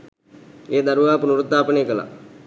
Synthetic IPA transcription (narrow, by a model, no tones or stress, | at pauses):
eːd̪aɾuʋaːpunuɾut̪ːaːpəneːkəla̰